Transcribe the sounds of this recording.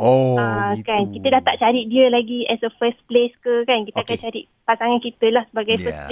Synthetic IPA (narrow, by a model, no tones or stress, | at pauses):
oakankit̪ədaht̪aʔt͡ʃaɾiʔdiəlaɡiɛsəfəspleskəkankit̪əakant͡ʃaɾiʔ | pasaŋankit̪əlahsəbaɡajfəsp